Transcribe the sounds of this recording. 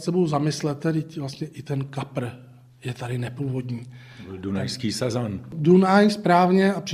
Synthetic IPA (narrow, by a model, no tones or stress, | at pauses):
sɛbowzamɪslɛt̪̚ːɛdɪcvlast̪ɲɛʔɪt̪ɛnkapɾ̩ | jɛt̪adɪnɛpuːvo̞dɲiː | bɪldunajskiːsazandunajspɾaːvɲɛapr̥ɪ